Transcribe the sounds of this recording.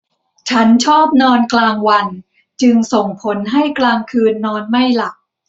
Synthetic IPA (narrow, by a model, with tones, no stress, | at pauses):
t͡ɕʰa˦˥nt͡ɕʰɔː˥˩p̚nɔː˧nklaː˧ŋwa˧n | t͡ɕɯ˧ŋso˨˩ŋpʰo˩˦nɦa˥˩jklaː˧ŋkʰɯː˧nːɔː˧nma˥˩jla˨˩k̚